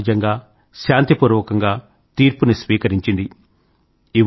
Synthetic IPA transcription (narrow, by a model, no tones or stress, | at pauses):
d͡ʒɐŋɡaː | ʃaːnt̪ipuːɾʋɔkɐŋɡaː | t̪iːɾpunisʋiːkɐɾiɲt͡ʃind̪i | iʋ